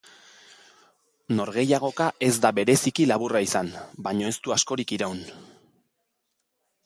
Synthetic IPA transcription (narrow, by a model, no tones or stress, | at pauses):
no̞ɾɣe̞jaɣ̞o̞kaʔe̞zd̪aβe̞ɾe̞sikilaβuraisanbaɲo̞e̞st̪uasko̞ɾikiɾawn